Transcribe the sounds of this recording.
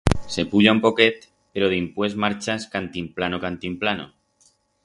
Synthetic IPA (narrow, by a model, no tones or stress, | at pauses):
se̞puʎampo̞ke̞t̪ | peɾoðimpwe̞zmaɾt͡ʃaskant̪implanokant̪implano̰